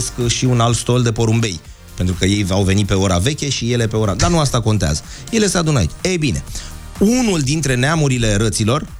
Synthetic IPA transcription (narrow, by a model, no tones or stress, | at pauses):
skʃiunalt̪st̪o̞ld̪e̞po̞ɾumbe̞j | pe̞nt̪ɾukəje̞jvawve̞nit̪̚pe̞o̞ɾave̞kʲeʃije̞le̞pe̞o̞ɾad̪anuast̪ako̞nt̪ea̰zə | je̞le̞se̞ad̪unaḭt͡ʃebine̞̰ | unuld̪int̪ɾe̞neamuɾile̞ɾət̪silo̞r